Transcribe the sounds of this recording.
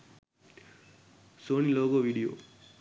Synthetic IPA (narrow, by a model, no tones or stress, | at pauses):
sonilokoʋiɽijo̰ː